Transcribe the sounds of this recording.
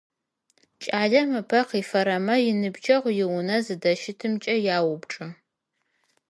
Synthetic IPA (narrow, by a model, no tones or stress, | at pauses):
t͡ʃʼaːɮɐmɨpʰɐqiːfɐɾɐmɐjɪnɨbt͡ʃʰʼɐʁʷjɪwʊnɐzɨdɐʃɪtʰɨmt͡ʃʼɐjaːwʊbʈ͡ʂʼɐ